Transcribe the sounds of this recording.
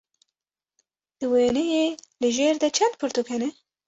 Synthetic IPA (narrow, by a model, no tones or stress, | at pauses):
d̪̥ɨweːnejelɨʒeːɾd̪ɐt͡ʃʰand̪̚pʰɨɾt̪ukʰɛnɛ